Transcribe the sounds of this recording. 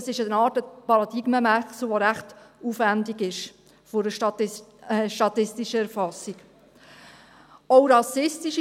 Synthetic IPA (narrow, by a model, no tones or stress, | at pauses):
sɪʃənɑːtəpɑɾɑd̥̪iɡməmæsl̩ʋoɾæχtufʋændiɡɪʃ | fʊɾət | ʃtɑt̪ɪstiʃəæɾfɑsːik | ɔʊɾɑsɪstiʃ